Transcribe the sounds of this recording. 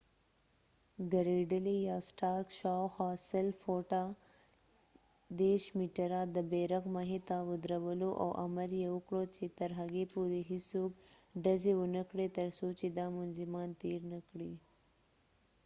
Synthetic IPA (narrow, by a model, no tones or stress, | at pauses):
ɡaɾeɖəlejɑsʈɑɾkʃɑwxasɪlfoʈa | d̪eɾʃmiʈaɾɑd̪əbeɾaɣmaɦet̪awʊd̪ɾawəloʔa̰wʔamaɾjewəkɽot͡ʃet̪aɾɦaɡepuɾeɦisokɖazewənəkɽet̪əɾsot͡ʃed̪ɑmʊnzɪmɑnt̪eɾnəkɽi